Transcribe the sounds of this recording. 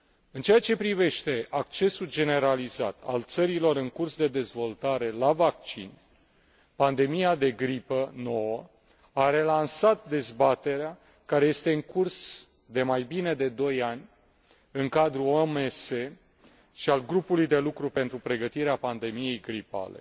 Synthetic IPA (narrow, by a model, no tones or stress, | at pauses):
ɨnt͡ʃeat͡ʃe̞pɾive̞ʃt̪e̞ak̚t͡ʃe̞suld͡ʒe̞ne̞ɾaliza̰t̪ʰa̰lt̪səɾilo̞ɾɨŋkursd̪e̞d̪e̞zvo̞lt̪aɾe̞lavak̚t͡ʃḭn | pand̪e̞mijad̪e̞ɡɾipəno̞wə | aɾe̞lansat̪̚d̪e̞zbat̪e̞ɾea | kaɾe̞je̞st̪e̞ɨŋkurs | d̪e̞majbine̞d̪e̞d̪o̞janʲ | ɨŋkad̪ɾuomese̞ | ʃialɡɾupulujd̪e̞lukɾupe̞nt̪ɾupɾe̞ɡət̪iɾeapand̪e̞mije̞jɡɾipa̰le̞̰